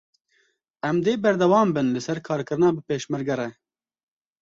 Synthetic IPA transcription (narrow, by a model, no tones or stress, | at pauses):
ɛmd̪eːbɛɾd̪ɛwɑːmbɨnlɨsɛɾkʰɑːɾkɨɾɨnɑːbɨpeːʃmɨɾɡɛɾɛ